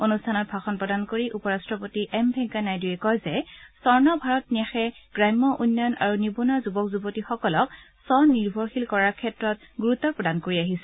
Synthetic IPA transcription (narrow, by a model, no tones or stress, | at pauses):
onustʰanɔt̚bʱaxɔnpɹɔdankoɹiʔupɔɹastɹɔpotiʔɛmbʱɛ̃ŋkanajdujɛkɔjzɛsɔɹnɔbʱaɹɔt̚niaxɛɡ̥ɹajmːɔʔunːɔjɔna̰ɹunibunazubɔkzubotixɔkɔlɔk | sɔniɹbʱɔɹxilkɔɹaɹkʰɛtɹɔt̚ɡuɹutːɔpɹɔdankoɹiaɦisɛ̥